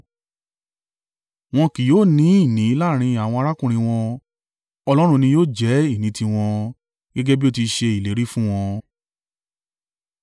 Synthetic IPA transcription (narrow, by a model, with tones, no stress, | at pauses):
w̃ɔ̃˧ki˨joː˨˦˨nĩ˨˦i˦˨nĩ˨˦i˦la˦˨ɾ̃ĩ˧a˨w̃ɔ̃˧a˧ɾa˦kũ˦˨ɾ̃ĩ˧w̃ɔ̃˧ | ɔ˧lɔ˦ɾ̃ũ˧nĩ˧joː˦˨d͡ʒɛ˨˦i˦˨nĩ˨˦tĩ˧w̃ɔ̃˧ | ɡ̥ɛ˦ɡɛ˦bi˦o˦˧ti˧ʃe˧i˨le˨˦ɾi˦fũ˦w̃ɔ̃˧